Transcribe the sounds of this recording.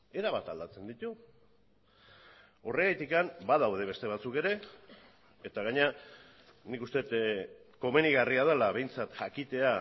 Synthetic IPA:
e̞ɾaβat̪ald̪at͡se̞nd̪it̪u | o̞reɣet̪ikambað̞awðe̞β̞e̞st̪e̞β̞at͡suke̞ɾe̞ː | t̪aɣaɲea | nikust̪e̞t̪ | ko̞me̞niɣariað̞alaβe̞jnt͡sat̪ʝakit̪e̞a

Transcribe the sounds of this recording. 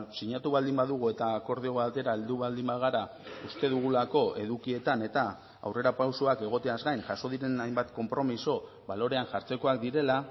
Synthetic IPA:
siɲat̪uβald̪imbaðuɣ̞ue̞t̪aːko̞ɾð̞io̞at̪e̞ɾae̞ld̪uβald̪imbaɣaɾa | ust̪e̞ðuɣ̞ulako̞e̞ðukie̞t̪ane̞t̪a | a̰wre̞ɾapawsoake̞ɣ̞o̞t̪e̞azɣajnʝaso̞ðiɾe̞najmbat̪ko̞mpɾo̞miso̞ | βalo̞ɾe̞anʝaɾt͡se̞ko̞ak̚d̪iɾe̞la

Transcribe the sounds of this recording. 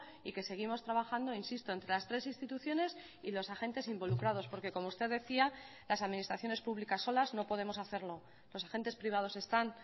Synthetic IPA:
ike̞se̞ɣ̞imo̞st̪ɾaβaxand̪o̞insist̪o̞e̞nt̪ɾe̞last̪ɾe̞sinst̪it̪uθjo̞ne̞s | ilo̞saxẽ̞nt̪e̞simbo̞lukɾað̞o̞spo̞ɾke̞ko̞moust̪e̞ðe̞θia | lasaðminist̪ɾaθjo̞ne̞spuβlikasːo̞lazno̞po̞ð̞e̞mo̞saθe̞ɾlo̞ | lo̞sae̞nt̪e̞spɾiβ̞að̞o̞se̞st̪an

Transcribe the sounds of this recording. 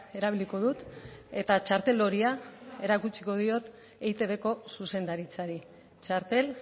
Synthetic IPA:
e̞ɾaβ̞iliko̞ðut̪e̞t̪at͡ʃaɾt̪e̞lo̞ɾiae̞ɾakut͡siko̞ð̞io̞t̪ | ejt̪e̞βe̞ko̞suse̞nd̪aɾit͡saɾi | t͡ʃaɾt̪e̞l

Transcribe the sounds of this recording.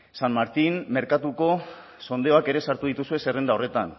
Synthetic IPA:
sanmaɾt̪inme̞ɾkat̪uko̞ | so̞nd̪eo̞ake̞ɾe̞saɾt̪uð̞it̪usue̞se̞re̞nd̪ao̞re̞t̪an

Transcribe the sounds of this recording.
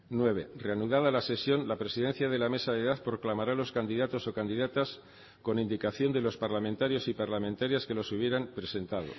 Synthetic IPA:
nwe̞β̞e̞reanuð̞aðalase̞sjo̞nlapɾe̞siðe̞n̟θjaðe̞lame̞saðe̞ðaθpɾo̞klamaɾalo̞skand̪iðat̪o̞so̞kand̪iðat̪as | ko̞nind̪ikaθjo̞nd̪e̞lo̞spaɾlamẽnt̪aɾjo̞sipaɾlamẽ̞nt̪aɾjaske̞lo̞suβje̞ɾampɾe̞se̞nt̪aðo̞̰

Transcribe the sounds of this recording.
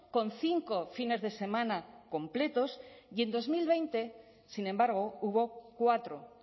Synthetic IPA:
kõ̞nθiŋko̞fine̞zðe̞se̞mãnako̞mple̞t̪o̞sje̞nd̪o̞zmilβejnt̪e̞ | sinẽmbaɾɣ̞o̞uβo̞kwat̪ɾo

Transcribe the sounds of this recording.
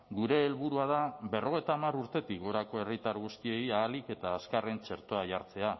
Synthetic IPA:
ɡuɾe̞ːlβuɾuaðaβe̞rʔo̞ɣ̞e̞jt̪aːmaɾuɾt̪e̞t̪ikɡo̞ɾako̞e̞rit̪aɾɣ̞ust̪ie̞jaːlike̞t̪aːskare̞nt͡ʃe̞ɾt̪o̞aʝaɾt͡se̞a

